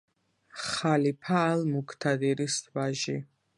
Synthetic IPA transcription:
χalipʰaːlˠmukʰt̪ʰad̪iɾisvaʒi

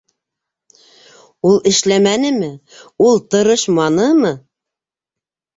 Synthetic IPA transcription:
ulˠɘ̆ʃlæmænɘ̆mɘ | ulˠt̪ɤ̆ɾɤʃmɑnɤmɤ

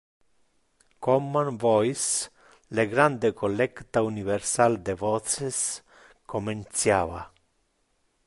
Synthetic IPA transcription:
komːanvɔjs | leɡɾand̪ekʰolɛkt̪auniβeɾsald̪evɔses | koment̪sjaβa

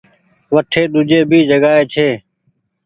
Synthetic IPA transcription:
ʋəʈʰeːɗ̪ʊd͡ʒeːbʱiːd͡ʒəɡaːeːt͡ʃʰeː

